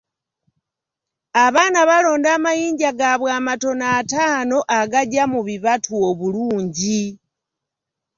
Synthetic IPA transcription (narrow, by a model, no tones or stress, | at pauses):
aβaːnaβalo̞ːndaːmajiːɲɟaɡaβwaːmato̞naːtaːnoʔaɡaɟamuβiβatʰuoβuluːɲɟi